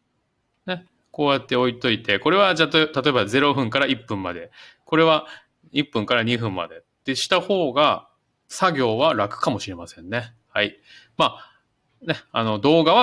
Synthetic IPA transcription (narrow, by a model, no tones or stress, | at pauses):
ne̞ | ko̞ːjat̪ːe̞o̞it̪o̞it̪e̞ko̞ɾe̞βad͡ʑat̪ot̪at̪o̞ebaze̞ɾo̞ɸɯ̟̃ŋkaɾaipːɯ̟̃mːa̰d̪e̞ | ko̞ɾe̞βa | ipːɯ̟̃ŋkaɾaɲ̟iɸɯ̟̃mːa̰d̪e̞ | t̪ːe̞ɕi̥t̪aho̞ːɡa | saɡʲo̞ːβaɾakɯ̟̥kamo̞ɕiɾe̞masẽ̞nːe̞ | hai | maː | ne̞ano̞d̪o̞ːɡaβa